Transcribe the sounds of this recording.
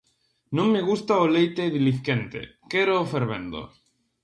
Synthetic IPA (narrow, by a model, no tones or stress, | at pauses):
nõŋmːeɣ̞ust̪aolejt̪eðilixent̪ḛkeɾoːfeɾβḛnd̪o̰